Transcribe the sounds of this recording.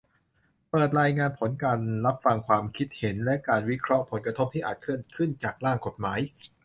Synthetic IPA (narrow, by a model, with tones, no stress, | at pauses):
pɤː˨˩t̪̚ɾaː˧jŋaː˧npʰo˩˦nkaː˧nɾa˦˥p̚fa˧ŋkʰwaː˧mkʰi˦˥t̪̚he˩˦nlɛ˦˥kaː˧nwi˦˥kʰɾɔ˦˥ʔpʰo˩˦nkɾa˧o˦˥p̚t̪ʰiː˥˩ʔaː˨˩t̪̚kʰɯ˥˩ənkʰɯ˥˩nt͡ɕaː˨˩k̚ɾaː˥˩ŋko˨˩t̪̚maː˩˦j